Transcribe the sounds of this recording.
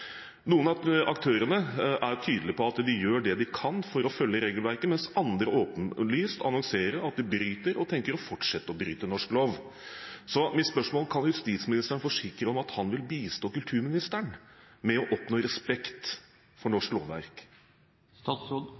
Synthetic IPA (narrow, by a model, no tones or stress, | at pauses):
nuːənɑɑkt̪ʰøːɾənəʔæɾt̪ʰyːd̪əlɪpʰɔɑt̪d̪ɪjøːɖɛd̪ɪkʰɑnfɔɾɔfœlːəɾeːɡəlʋæɾkəmɛnsɑnd̪ɾəʔoːpənlyːst̪ɑ̰nɔŋseːɾəɑt̪̚d̪ɪbɾyːt̪əɾɔt̪ʰɛŋkəɾɔfɔʈʂɛt̪ːəɔbɾy̰ːt̪ənɔʂkloːʋ | sɔmɪt̪spœʂmoːlkʰɑnjʉst̪iːt̪smɪnɪst̪əɳfɔʂɪkɾəɔmɑt̪hɑnʋɪlbiːst̪oːkʉlt̪ʰʉːɾmɪnɪst̪əɳ | mɛɔʔɔpnoːɾɛspɛkt̪ | fɔɳɔʂklo̰ːʋːæ̰ɾk | st̪ɑːt̪so